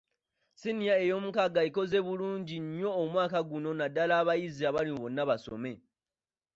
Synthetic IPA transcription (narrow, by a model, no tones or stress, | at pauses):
sinijaejo̞mukaɡaiko̞ze̞βuluːɲɟiɲo̞ːmwaːkaɡuno̞nadːalaːβajiziaβalimβo̞nːaβaso̞̰me̞